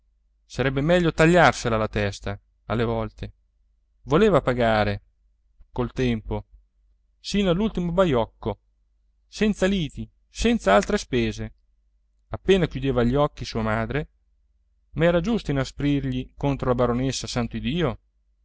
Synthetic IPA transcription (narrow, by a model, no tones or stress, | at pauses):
saɾɛbːemɛʎːot̪aʎːarselalat̪ɛst̪a | alːevɔlt̪e | voleːvapaɡaːɾe | kolt̪ɛmpo | sinoalːult̪imobajɔkːo | sɛnt̪saliːt̪i | sɛnt̪saalt̪ɾespeːze | apːeːnakjud̪eːvaʎːiɔkːisuːamaːd̪ɾe | maɛːɾad͡ʒust̪oinaspɾirʎikont̪ɾolabaɾonesːasant̪oid̪iːo